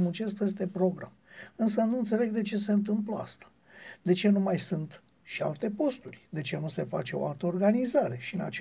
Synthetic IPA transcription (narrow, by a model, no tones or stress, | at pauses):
munt͡ʃe̞skpe̞st̪e̞pɾo̞ɡɾa̰mɨnsənuɨnt̪se̞le̞ɡd̪e̞t͡ʃe̞s̬e̞ɨnt̪̬ɨmpləa̰st̪ḁ | d̪e̞t͡ʃe̞numajsunt̪ | ʃia̰lt̪e̞po̞st̪urʲd̪e̞t͡ʃe̞nuse̞fa̰t͡ʃe̞o̞̰alt̪əo̞rɡanizaɾe̞ʃiɨna̰t͡ʃ